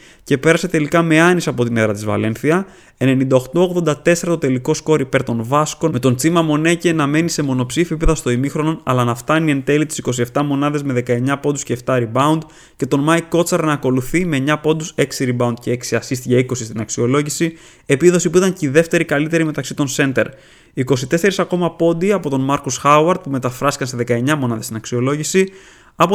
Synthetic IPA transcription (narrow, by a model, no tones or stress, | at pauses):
ce̞pe̞ɾɐse̞t̪e̞likɐme̞ɐnisɐpo̞t̪ineðɾɐt̪izvɐ̰le̞nθiɐ | e̞ne̞nind̪ɐo̞xt̪o̞oɣðo̞nd̪ɐt̪e̞seɾɐt̪ot̪e̞liko̞sko̞ɾipe̞ɾt̪o̞nvɐsko̞me̞t̪o̞nt͡simɐmo̞ne̞ce̞nɐme̞nise̞mo̞no̞psifiipeðɐst̪o̞imixɾo̞no̞nɐ̰lɐnɐft̪ɐnie̞nt̪e̞lit̪i̥si̥ko̞sie̞ft̪ɐmo̞nɐðe̞zme̞ðe̞kɐe̞ɲɐpod̪usce̞ːft̪ɐɾibɐund̪ | ce̞t̪o̞nmɐjkːo̞t͡sɐɾnɐːko̞luθime̞ɲɐpo̞d̪use̞ksiɾibɐund̪̚ceeksiɐsist̪iʝeiko̞sist̪inɐksio̞lo̞ʝisi | e̞piðo̞sipuit̪ɐɲciðe̞ft̪e̞ɾikɐlit̪e̞ɾime̞t̪ɐksit̪o̞nse̞nt̪e̞̰ɾ | iko̞sit̪e̞se̞ɾisɐko̞mɐpo̞d̪iɐpo̞t̪o̞nmɐɾkusxɐuɐɾd̪̚pume̞t̪ɐfɾɐsi̥kɐnseðe̞kɐe̞ɲɐmo̞nɐðe̞st̪inɐksio̞lo̞ʝisi | ɐpo